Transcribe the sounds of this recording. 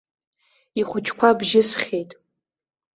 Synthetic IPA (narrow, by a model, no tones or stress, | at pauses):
iχʷʊt͡ʃʰʼkʷʰabʒɪsχʲejtʼ